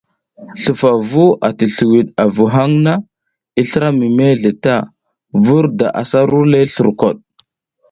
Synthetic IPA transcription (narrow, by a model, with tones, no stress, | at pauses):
ɬu˨fa˨vu˦ʔa˨ti˨ɬu˨wi˨ɗa˨vu˨ɦa˦ŋna˦ | i˦ɬə˦ɾa˦mi˨me˦ɮe˨ta˦˨ | vu˦ɾda̰˨ʔa̰˨sa˦ɾu˦le˦ɬu˨ɾko̰˨ɗ̚